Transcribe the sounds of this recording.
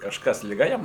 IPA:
kɐʃˈkɐs lʲɪˈɡɐ ˈjɛm

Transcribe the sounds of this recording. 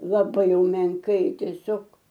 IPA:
lˠɐˈbɐɪ jɛʊ mʲɛŋˈkɐɪ tʲɛˈsʲoːk

